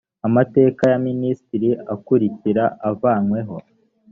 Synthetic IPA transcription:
amate̞ːkajaministiɾiakuɾiciɾaavaːnwe̞ɦo̞

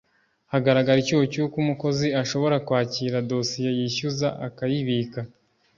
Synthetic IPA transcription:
haɡaɾaɡaɾicuːwocukumuko̞ziaʃo̞βo̞ɾakwaːciɾado̞sije̞jiçuzaʔakajiβiːka

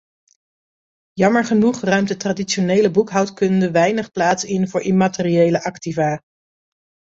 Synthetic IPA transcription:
jɑməɹχənuχrœɥmtətraːdit͡ʃonejləbukɦɑwtkɵndəʋɛjnəχplaːtsɪnvʊːɹʔɪmaːtɪriejləʔɑktivaː

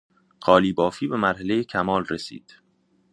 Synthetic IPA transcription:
ɢɒːliːbɒːfiːbe̞mæɾɦele̞jecʰæmɒːlresḭːd̪̥

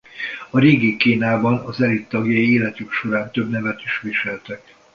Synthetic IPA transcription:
ɒɾeːɡikiːnaːbɒnɒzɛlit̪ːɒɡjɒjieːlɛt̪ykʃo̞ɾaːnt̪øbnɛvɛt̪iʃʋiʃɛlt̪ɛk

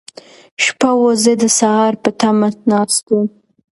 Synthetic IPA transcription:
ʃpawozed̪əsaɦɑɾpət̪amanɑst̪u

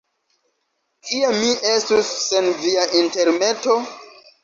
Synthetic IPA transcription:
kiemiʔe̞stusːe̞nviaʔinte̞ɾne̞to̞

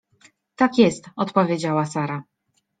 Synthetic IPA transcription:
t̪akʲjɛst̪ɔt̪pɔvʲjed͡ʑawasaɾa

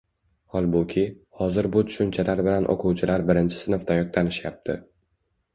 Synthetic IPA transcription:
hɒlˠbʊkʲʰɪ | hɒzɪɾbʊt̪ʰʊ̥ʃʊnt͡ʃʰalaɾbɪlanʔo̰qʰʊwt͡ʃʰɪlaɾbɪɾɪnt͡ʃʰɪ̥sɪnɨft̪ʰajɒk̚t̪ʰanɪʃjap̚t̪ʰɪ̰

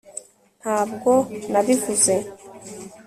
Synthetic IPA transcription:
n̥haːbɡo̞naβivuze̞

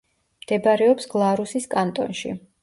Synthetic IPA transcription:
md̪̥ɛbaɾɛɔpsɡlˠaɾusiskʼant̪ʼɔ̰nʃḭ

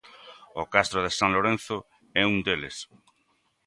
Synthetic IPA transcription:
okast̪ɾoðesãŋloɾẽn̟θʊ | ɛuŋd̪elḛs

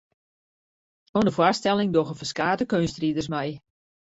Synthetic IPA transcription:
onəfwastɛlɪŋdoɣəfəskaːtəkønstridərsmɛj

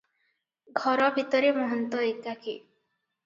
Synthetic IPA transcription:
ɡʱɔɾɔbʱit̪ɔɾemɔɦɔnt̪ɔekakḭ

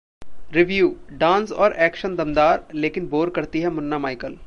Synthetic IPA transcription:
ɾɪʋjuːɖãːnsɔːɾʔɛːkʃənd̪ɐmd̪aːɾleːkɪnboːɾkɐɾt̪iɦɛmʊnːamaːɪkəl

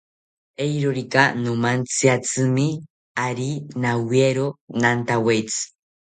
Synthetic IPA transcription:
ejɾoɾikanomant͡sɨat͡sɨmi | aɾinawieɾonant̪awejt͡sɨ̥

